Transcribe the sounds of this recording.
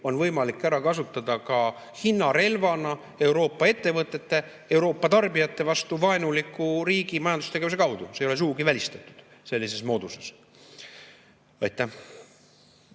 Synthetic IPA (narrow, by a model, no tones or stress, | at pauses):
o̞nvɤ̞jmɑlikːˑæɾɑkɑsut̪ːˑɑd̪ɑkɑ | hinːɑɾe̞lvɑnɑ | e̞wɾo̞ːpːˑɑe̞t̪ːe̞vɤt̪ːˑe̞t̪ːe̞ | e̞wɾo̞ːpˑːɑt̪ɑrbijɑt̪ːe̞vɑst̪uvɑenulikːˑuɾiːɡimɑjɑnd̪ust̪eɡe̞vuse̞kɑwd̪̥usejo̞le̞suɡuɡ̥ivælʲist̪et̪ːˑu̥d̪̥se̞lʲːise̞smo̞ːd̪̥uses | ɑjt̪ːˑæh